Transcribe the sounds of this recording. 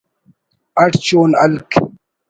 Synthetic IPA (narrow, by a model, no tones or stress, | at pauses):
ɐʈt͡ɕoːnɐlk